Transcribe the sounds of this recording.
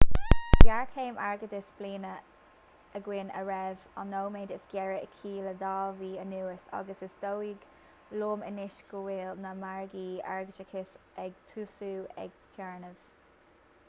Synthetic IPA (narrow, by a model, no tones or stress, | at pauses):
b̥jaɹkʰeːmaɹɡəd̪əsb̥liːnə | əɡwɪnə̰ɹɛva̰nːoːmeːdəsɡ̥jɛɹəkʰiːləd̪ɑːviːənuːəsa̰ɡəsəsd̪owiɡ | loːmə̰nɪʃɡ̥əwɪːlnəmaɹɡiːa̰ɹɡəd͡ʒəkʰɪsɛɡt̪ʰuːsuːɛ̰ɡ̥̚t̪ʰɛɹnəv̥